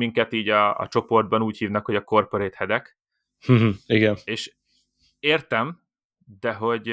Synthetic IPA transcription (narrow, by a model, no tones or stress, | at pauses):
miŋkɛt̪iːɟɒ̰ːt͡ʃo̞po̞rd̪̚bɒnuːchiːvnɒkhoɟɒko̞rpøɾeːt̪hɛd̪ɛk | h̩iɡɛneːʃ | eːrt̪ɛm | d̪ɛɦo̞ɟ